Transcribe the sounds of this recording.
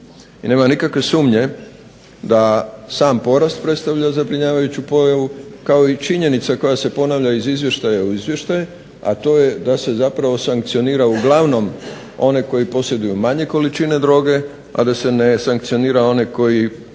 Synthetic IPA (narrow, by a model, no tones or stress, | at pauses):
ine̞ːmanikakʋe̞suːmɲe̞ | d̪asaːmpo̞ɾast̪̚pɾe̞t̪st̪aʋʎazabɾiɲaːʋajut͡ɕupo̞jaʋukao̞it͡ʃiɲe̞nit̪sako̞jase̞po̞naʋʎaizizʋje̞ʃt̪ajauizʋje̞ʃt̪aje | a̰t̪o̞ːje̞d̪ase̞zapɾaʋo̞saŋkt̪sio̞niːɾauɡlˠaʋno̞m | o̞neko̞jipo̞sje̞d̪ujumaɲe̞ko̞lit͡ʃine̞d̪ɾo̞ːɡe̞ | a̰d̪ase̞ne̞saŋkt̪sio̞niːɾao̞neko̞ji